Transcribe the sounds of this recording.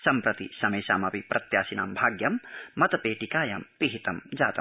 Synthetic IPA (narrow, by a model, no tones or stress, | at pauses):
sɐmpɾɐt̪ḭsɐmeːsa̰ːmɐpipɾʔɐt̪jaːsina̰ːmbʱaːɡjɐmːɐt̪ɐpeːʈikaːjɐmpiɦit̪ɐmd͡ʒaːt̪ɐm